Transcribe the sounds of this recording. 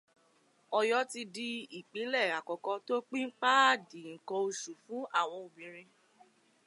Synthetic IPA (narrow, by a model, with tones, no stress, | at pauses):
ɔ˧jɔ˦ti˧di˧i˨k͡pe˨˦lɛ˦˨a˨kɔ˨kɔ˧to˦k͡pĩ˦ŋ̩˦k͡pa˦di˨ŋ̩˨kɔ˧o˧ʃu˨fũ˨˦a˦˨w̃ɔ̃˧o˧bĩ˨ɾ̃ĩ˧